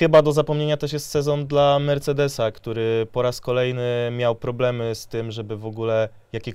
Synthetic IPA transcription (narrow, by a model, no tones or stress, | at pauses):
xɘbad̪ɔzapɔmɲeɲat̪ɛʂjɛst̪sɛzɔnd̪lamɛɾt̪sɛd̪ɛsakt̪uɾɘpɔɾaskɔlɛjnɘmʲjawpɾɔblɛmɘst̪ɘmʐɛbɘvɔɡulɛ | jakʲe